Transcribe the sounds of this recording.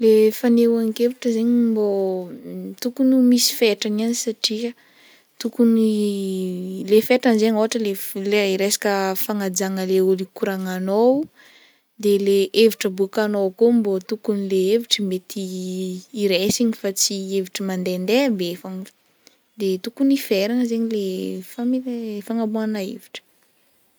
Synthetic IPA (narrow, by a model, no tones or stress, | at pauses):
lefanewaŋkeviʈ͡ʂəzeɲimbo | t̪ukunumisi̥feʈ͡ʂananisaʈ͡ʂiə | t̪ukuni | lefeʈ͡ʂanzeɲoaʈ͡ʂəleleɾesḁkəfaŋad͡zaŋəleulikuɾaŋanow | d̪eleʔeviʈ͡ʂəbukanokombot̪ukunileeviʈ͡ʂəmet̪iː | ɾesiɲifat͡sieviʈ͡ʂəmand̪end̪ebefaŋ | d̪et̪ukunifeɾaŋəzeɲilefamilfaŋabuanaḛviʈ͡ʂə̥